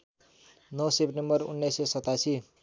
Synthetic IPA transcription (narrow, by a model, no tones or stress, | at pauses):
nʌwsepʈembʌrṵnːʌjsesʌt̪asi